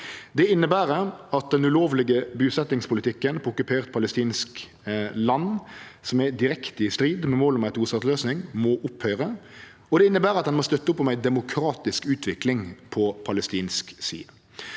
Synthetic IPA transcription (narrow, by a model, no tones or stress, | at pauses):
d̪ɛɪnːəbæːɾəɑt̪̚d̪ɛnʉloːʋlɪɡəbʉːsɛt̪ːɪŋspʰʊlɪt̪ʰɪkːənpʰʊkʉpʰeːʁt̪̚pʰɑləst̪iːnsk | lɑn | sɔmæd̪ɪɾɛkt̪əɪst̪ɾiːd̪mɛmoːlɔmæɪt̪ʰuːsɑt̪løːsnɪŋmɔʔʊphœʏʁə | ɔd̪ɛɪnːəbæːɾɑt̪d̪ɛnmɔst̪œt̪ːəɔpːɔmæɪd̪ɛmʊkʰɾɑːt̪ɪskʉːt̪ʰʋɪklɪŋpʰɔpʰɑləst̪iːnsksḭːə